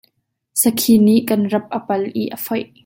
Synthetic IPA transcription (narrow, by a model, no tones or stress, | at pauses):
səkʰiniʔkɐnrɐp̚ʔəpɐlʔiʔəfɔjʔ